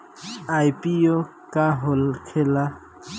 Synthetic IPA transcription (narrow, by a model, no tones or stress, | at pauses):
ajpio | kaɦolkʰela